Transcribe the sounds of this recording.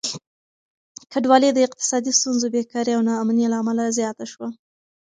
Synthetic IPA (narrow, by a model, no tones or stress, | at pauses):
kaɖwɑled̪əɪq̚t̪ɪ̥sɑd̪ist̪unzobekɑɾeawnɑːmnelaːmalazjɑt̪aʃwa